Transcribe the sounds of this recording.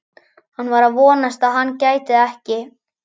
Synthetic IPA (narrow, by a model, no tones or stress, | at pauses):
hanːvaɾaðvɔːnast̪aðɦanːcaːjt̪ɪðɛhcɪ